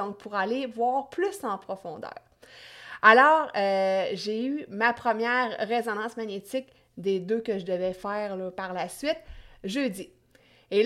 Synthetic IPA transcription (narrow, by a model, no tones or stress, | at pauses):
ɔ̃k̚pʰuʁalevwɑːʁplysɑ̃pχɔfɔ̃ːd̪œ̰ːʁ | alɔːʁəʒeymapχəmjɛːʁːezɔnɑ̃smaɲet̪ɪk | d̪ed̪økəʒəd̪əvɛfɛːʁlɔpaʁlasɥɪt̪ʒød͡z̪i | e